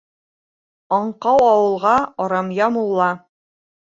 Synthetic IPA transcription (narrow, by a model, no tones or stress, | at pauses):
ɑɴqɑwɑwɤ̆lˠʁɑɑɾɑmjɑmulˠːɑ